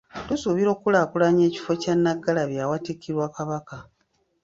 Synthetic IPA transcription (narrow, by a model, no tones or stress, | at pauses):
tusuβiɾo̞ːkːulakulaɲe̞ːci̥fo̞canːaɡːalaβjawatikːiɾwaːkaβaka